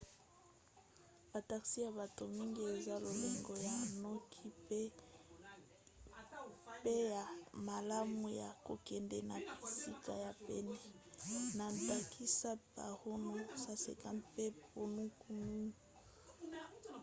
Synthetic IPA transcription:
b̥a˨ta˨ksi˦ja˨ba˨to˨mi˦ŋɡi˦e˨za˦lo˨le˨ŋɡo˦ja˨nɔ˦kʰi˦pe˦ | pe˦ja˨ma˨la˦mu˨ja̰˨ko̰˨kɛ˨ndɛ˨na˨pi̥˨si˦ka˨ja˨pɛ˦nɛ˨na˨nta˨kʰi˦sa˦pa̰˨ho˦nu˦sa˦sḛ˨ka˦npe˦po˨nu˦ku˦nu˦˨

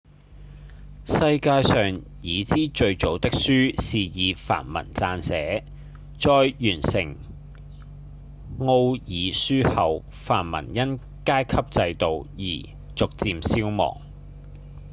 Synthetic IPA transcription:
sɐ˧jkaː˧jsœː˨ŋ | jiː˨˧t͡siː˥t͡ʃɵ˧ɥt͡so˨˥wt̪ɪ˥k̚syː˥siː˨jiː˨˧fa̰ː˨˩nmɐ̰˨˩nt͡saː˧nsɛː˨˥ | t͡sɔː˧jjyː˨˩nsɪ̰˨˩ŋ | ŋo˧wjiː˨˥syː˥hɐ˨w | faː˨˩nmɐ̰˨˩njɐ˥n | kaː˥jkʰɐ˥p̚t͡sɐ˧jt̪o˨wjḭː˨˩ | t͡sʊ˨k̚t͡siː˧msiː˥wmɔ̰ː˨˩ŋ

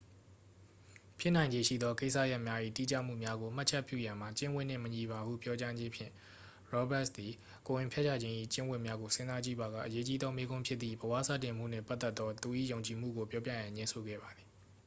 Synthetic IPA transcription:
pʰjɪ˦ʔnã˨ɪ̃ɲd͡ʑe˨ʃḭ˦˨d̪ɔ˦ke˦ɪʔsa̰˦˨ja˦ʔmja˦ʔḭ˦˨tḭ˦˨t͡ɕa̰˦˨m̥ṵ˦˨mja˦ɡo˨m̥a˦ʔt͡ɕʰɛ˦pjṵ˦˨jã˨m̥a˨t͡ɕɪ̃˦wɪ˦˨n̥ːɪ̰̃˦˨məɲi˨ba˨ṵ˦˨pjɔ˦t͡ɕa˦d͡ʑɪ̃˦pʰjɪ̰̃˦˨ | ɹɔ˦bɛ˦˨ʔsd̪i˨ | ko˨jɪ̃˨mpʰjɛ˦t͡ɕʰa̰˦˨d͡ʑɪ̃˦ʔḭ˦˨t͡ɕɪ̃˦wɪ˦˨mja˦ɡo˨sɪ̃˦nza˦t͡ɕḭ˦˨ba˨ɡa̰˦˨ʔəje˦t͡ɕi˦d̪ðɔ˦me˦ɡʊ̃˦mpʰjɪ˦t̪t̪θḭ˦˨bəwa̰˦˨sä̰˦˨tɪ̃˨m̥ṵ˦˨n̥ɛ̰˦˨pʔt̪ːɛ˦t̪ːɔ˦t̪u˨ʔḭ˦˨jo˨ʊ̃ɲt͡ɕi˨m̥ṵ˦˨ɡo˨pjɔ˦p̬jä̰˦˨jã˨ɲɪ̃˦nsʰo˨ɡɛ̰˦˨ba˨d̪ði˨

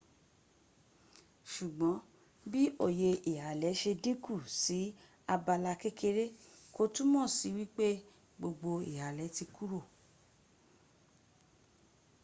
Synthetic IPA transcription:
ʃu˨ɡ͡bɔ̃˨˦ | bi˦o˦˨je˧i˨ha˨˦lɛ˨˦ʃe˧dĩ˦ku˦˨si˨˦ | a˧ba˧la˧ke˦kʰe˧ɾe˦ko˧tũ˦mɔ̃˦˨si˨˦wi˦k͡pe˦ | ɡ͡bo˧ɡ͡bo˧ḭ˨ha˨lɛ˨˦ti˧ku˦ɾo˦˨

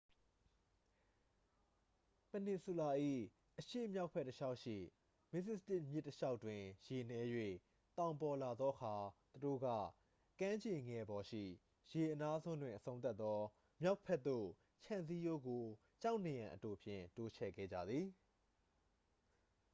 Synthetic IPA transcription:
pə˨nɪ˨su˨la˨ʔḭ˦˨ | ʔəʃḛ˦˨mja˦ʊʔpʰɛ˦tːəʃa˦ʊʔʃḭ˦˨ | mɪ˦sɪ˦sə˦tɪ˦ʔmjɪ˦tːəʃa˦ʊʔtːwɪ̃˨je˨nɛ˨˦jwḛ˦˨ | t̪ã˨ʊ̃mpɔ˨la˨d̪ðɔ˦ʔə˦kʰa˨t̪u˨do̰˦˨ɡä̰˦˨ | kã˦ɲd͡ʑe˨ŋɛ˨bɔ˨ʃḭ˦˨ | je˨ʔəna˦zʰõ˦ndwɪ̃˨ʔəsʰõ˦ʊ̃t̪̬a˦t̪ːɔ˦ | mja˦ʊʔpʰɛ˦t̪̚ːo̰˦˨ | t͡ɕʰã˨nzi˦jo˦ɡo˨ | t͡ɕa˦ʊʔne˨jã˨ʔəto˨pʰjɪ̰̃˦˨to˦t͡ɕʰɛ̰˦˨ɡɛ̰˦˨d͡ʑä̰˦˨d̪ði˨

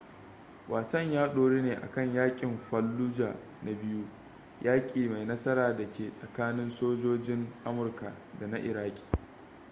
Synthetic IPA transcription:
wʔaː˨sɐ˦˨ɲjaː˦ɗoː˨ɽeː˦neː˨ʔa̰˨kɐ˦˨ɲjaː˦kʲʼɪ˨mɸɐ˦lːuː˦d͡ʒa̰ː˨ | na˨bɪ˦ju˦ | jaː˦kʲʼiː˨ma˨jnɐ˦sɐ˦ɾaː˨da˨kʲeː˨sʼɐ˨kaː˦nɪ˦nsoː˦d͡ʒoː˦d͡ʒɪ˦ŋʔa˦mʊ˨rka˨ | da˨na˦ʔɪ˨ɾaː˦kʲʼi̥ː˨

